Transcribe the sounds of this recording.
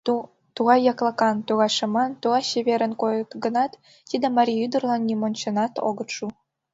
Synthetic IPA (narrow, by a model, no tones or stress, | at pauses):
t̪uʁɑjjɑklˠɑ̆kɑnt̪uɣɑʃɤ̆mɑnt̪uɣɑɕeβʲeɾə̆nkojɤt̪ɡɤ̆nɑt̪ː | id̪ĕmɑɾʲiyd̪ɤ̆rlˠɑnːʲimont͡ɕɤ̆nɑt̪o̰ɡɤ̆t̪ʃu